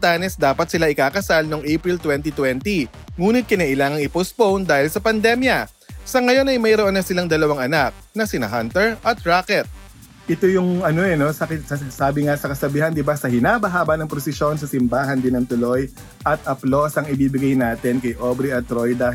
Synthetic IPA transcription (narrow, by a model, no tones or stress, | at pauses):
t̪anɛsd̪aːpɐt̪̚sɪlaʔɪkaːkɐsalno̞ŋʔejpɾilt̪wɛnt̪it̪wɛnt̪i | ŋuːnɪt̪̚kɪnɐːʔɪlaːŋɐŋɪpospownd̪aːhɪlsɐpɐnd̪ɛmjɐ | sɐŋɐjo̞nɐjmɐjɾoʔonːɐsɪlaŋd̪ɐlɐwaŋʔɐnak̚nɐsɪnɐ̰ɦant̪ɛɹʔɐt̪̚ɹaːkɛt̪̚ | ʔɪt̪ojʊŋʔɐno̞ʔɛno̞sɐk̪sɐsaːbɪŋasɐkɐsɐbɪɦɐnd̪ɪbasɐhɪnaːbɐɦaːbɐnɐŋpɾosɪʃjo̞nsɐsɪmbaːɦɐnd̪ɪnɐŋt̪ʊlo̞j | ʔɐt̪̚ʔɐplo̞sɐŋɪbiːbɪɡɐjnaːt̪ɪnkɐjʔobɾiɐt̪ɾojd̪ɐ